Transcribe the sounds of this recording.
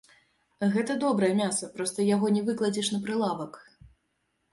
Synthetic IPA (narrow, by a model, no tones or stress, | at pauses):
ɣɛt̪ɐd̪ɔbɾɐjɛmʲasɐpɾɔst̪ɐjaɣɔnʲɛvɨklˠɐd͡zʲiʂnɐpɾɨlˠavɐk